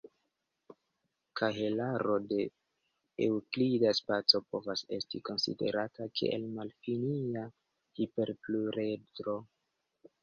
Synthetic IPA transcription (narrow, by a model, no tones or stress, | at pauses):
kʰaɦe̞laɾo̞de̞ | ewklidaspat͡so̞po̞vase̞̰stiko̞nsḭde̞̰ɾatakʰḛḛlmalfinia | hipe̞ɾpluɾedɾo̞